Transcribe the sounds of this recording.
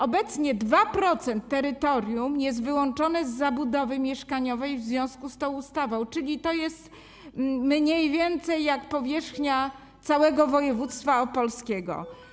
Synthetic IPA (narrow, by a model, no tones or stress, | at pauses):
ɔbɛt̪sɲɛd̪vapɾɔt̪sɛnt̪ːɛɾɘt̪ɔɾʲjumjɛs̬t̪vɘwɔnt͡ʂɔnɛzːabud̪ɔvɘmʲjɛʂkaɲɔvɛjvzvʲjɔ̃w̃skust̪ɔ̃w̃ust̪avɔ̃w̃t͡ʂɘlʲit̪ɔjɛst̪ | mɲejvʲjɛnt̪sɛjːakpɔvʲjɛʂxɲa | t̪sawɛɡɔvɔjɛvut̪st̪faɔpɔlskʲɛɡɔ̰